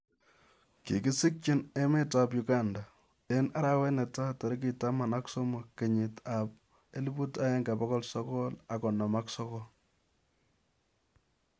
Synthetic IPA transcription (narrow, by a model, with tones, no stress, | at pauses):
kḭ˨ki˦si˦k̚t͡ʃi˦ne˦me˦tap̬jʊka˦nda˨ | e˦na˦ɾa˦wɛ˦nɛ˨ta˦tɔ˨ɾi˦k̬i˨ta˦ma˨na˦kso˦mo˨ke˨ɲɪ˨ta˨p̚ | e˦li˦bu˦ta˦jɛ˦ŋɡa˨pɔ˦kɔ˦lsɔ˦kɔ˦la˨kɔ˨na˨ma˦ksɔ˦kɔ